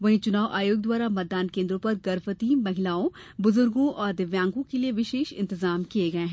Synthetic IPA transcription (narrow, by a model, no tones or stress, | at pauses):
ʋɐɦĩt͡ʃʊnaːʋʔaːjoːɡ̚d̪waːɾamɛd̪aːnkẽːnd̪ɾõpɐɾɡɐɾfət̪imɐɦɪlaːõbʊzʊɾɡõʔɔːɾd̪ɪʋjãːŋɡõkelieʋɪʃeːʃɪ̰̃nt̪ɪzaːmkieɡɐeɦɛ̃